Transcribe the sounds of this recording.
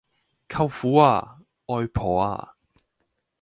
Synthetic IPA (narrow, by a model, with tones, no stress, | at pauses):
kʰɐ˧wfuː˨˥a̰ː˧ | ɔː˧jpʰɔː˨a̰ː˧